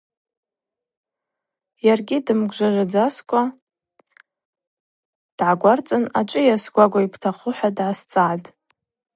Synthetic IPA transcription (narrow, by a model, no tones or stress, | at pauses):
jarɡʲidɨmɡʷʒʷaʐʷad͡zaskʷʼa | d̥ʕaɡʷart͡sʼɨnat͡ʃʼɨjasɡʷaɡʷaipʰtʰaχʊħʷᶣadʕast͡sʼaʕtʼ